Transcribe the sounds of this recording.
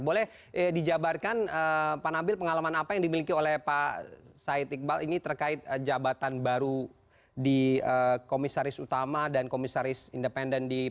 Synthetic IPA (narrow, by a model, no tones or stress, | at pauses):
bolɛh | ədid͡ʒabarkanəpanambɪlpəŋalamanapajaŋdimilikiolɛhpasaɪt̪ik̚balinit̪ərkaɪt̪̚əd͡ʒabat̪anbaɾu | diəkomisaɾɪsut̪amadankomisaɾɪsindəpɛndɛndi